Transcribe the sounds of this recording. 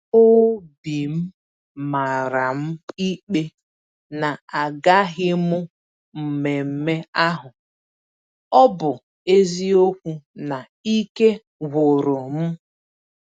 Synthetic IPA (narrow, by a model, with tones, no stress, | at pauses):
ʊ˦bi˨m̩˦ | ma˨ɾa˨m̩˦i˦k͡pe˦ | na˨a˨ɡa˦ɦɪ˦mʊ˦ | m̩˨me˨m̩˦me˦a˦ɦʊ˨ | ɔ˦bʊ˨ | e˦zi˦o˦kʷu˦na˨ | i˦ke˦ | ɡʊ˨ɾo˨m̩˦